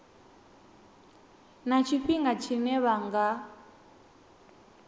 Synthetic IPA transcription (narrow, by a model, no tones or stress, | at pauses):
nat͡ʃʰiɸiŋɡat͡ʃʰinɛβaŋɡa